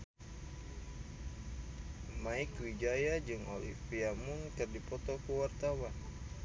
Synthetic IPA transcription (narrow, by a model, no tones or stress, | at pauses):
maikwid͡ʒajad͡ʒɨŋo̰lḭfiamunkɨrdipɔt̪ɔkəwart̪awan